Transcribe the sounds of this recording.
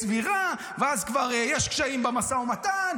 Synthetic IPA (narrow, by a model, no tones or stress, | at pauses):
sviʁa | veazkvaʁejɛʃkʃaimbamasaomat̪an